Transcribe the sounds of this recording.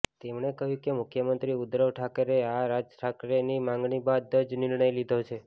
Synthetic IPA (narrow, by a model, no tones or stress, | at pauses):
t̪emɳekəɦjũkemʊkʰjəmənt̪ɾiud̪ɾəʋʈʰakəɾeaɾad͡ʒʈʰakɾenimãŋɡɳibad̪ːəd͡ʒnɪɾɳ̃əjlid̪ʱot͡ʃʰe